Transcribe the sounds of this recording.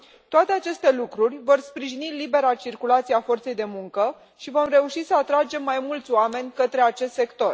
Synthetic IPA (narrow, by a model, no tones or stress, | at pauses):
t̪oat̪e̞at͡ʃe̞st̪e̞lukɾurʲvo̞rspɾiʒinilibe̞ɾat͡ʃirkulat̪sijeafo̞rt̪se̞jd̪e̞muŋkə | ʃivo̞mre̞uʃisəat̪ɾad͡ʒe̞mːajmult̪sʲoame̞nʲkət̪ɾe̞at͡ʃe̞st̪sekt̪o̞r